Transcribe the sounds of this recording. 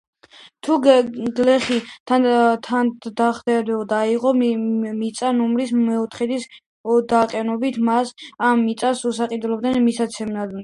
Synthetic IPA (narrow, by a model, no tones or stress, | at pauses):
t̪ʰuɡlɛχit̪ʰat̪ʰand̪aχd̪ɛd̪ɛld̪aiʁɔmit̪sʼanumɾismɛɔt̪ʰχɛd̪is | d̪aqʼɛnɔbit̪ʰmasamːit̪sʼasusaqʼid̪lˠɔbd̪ɛnmisat̪sʰɛmnad̪